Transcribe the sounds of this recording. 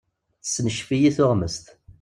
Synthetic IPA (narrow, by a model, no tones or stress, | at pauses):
θsːnəʃfijiθʊʁməst̪